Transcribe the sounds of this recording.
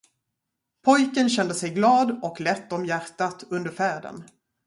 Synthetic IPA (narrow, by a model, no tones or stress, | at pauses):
pʰɔjkənɕɛnd̪əsɛjɡlɑːd̪ɔklɛt̪ːɔmjæɾʈːat̪ɵnd̪əɾfæːɖə̰n